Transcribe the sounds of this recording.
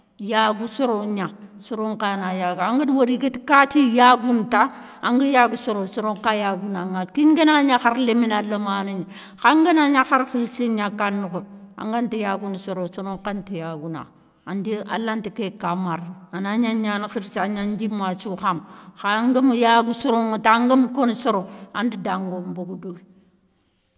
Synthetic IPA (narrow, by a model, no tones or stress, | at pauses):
jaɡusoɾoɲasoɾoŋkanajaɡaŋɡədwoɾiɡitikatijaɡunta | aŋɡəjaɡusoɾosoɾoŋkajaɡunaŋakiŋɡenaɲaxaɾleminalːamanuɲi | xaŋɡenaɲaxaɾfiɾseɲakanːukoa̰ŋɡantijaɡunsoɾosoɾoŋkantijaɡuna̰ | andia̰lantikekamaɾanaɲaɲanxiɾsaɲand͡ʒimat͡ʃuxamxaŋɡəmujaɡusoɾoŋtaŋɡəmukonsoɾoandidaŋɡomboɡudoi